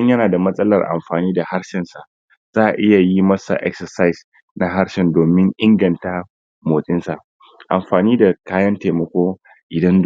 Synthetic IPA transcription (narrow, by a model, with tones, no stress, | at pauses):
ɲjɐ˦naː˨da˨mɐ˦sʼɐ˦lɐ̰˨rʔa̰˨mɸaː˨niː˦da˨ha˦ɽʃɪ˨nsa˨ʔ | z̥aː˦ʔa̰˨ʔɪ˦ja˨ji˦mɐ˦sa̰˨ʔɛ̰˦ksɐ˨sa˦js | na˦ɦa˦ɾʃɪ˨ndoː˨mɪ˦ŋʔɪ˦ŋɡɐ˨nta˦ | moː˨sʼɪ˦nsa˨ʔ | ʔa̰˨mɸaː˨niː˦da˨kaː˦jɐ˦nteː˨mɐ˨kʷoː˦ | ʔɪ˨dɐ˦nd